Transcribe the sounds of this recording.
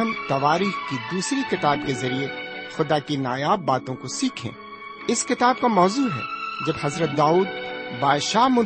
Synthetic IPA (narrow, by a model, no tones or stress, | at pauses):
ənt̪ɐʋaːɾiːxkid̪uːsɾikɪt̪aːbkezɐɾiexʊd̪akinaːjaːbːaːt̪õkosiːkʰḛ̃ː | ɪskɪt̪aːb̚kamɔːzuːɦɛ̰d͡ʒɐbhɐzɾət̪̚d̪aːuːd̪̚baːd̪ʃaːɦmʊ̃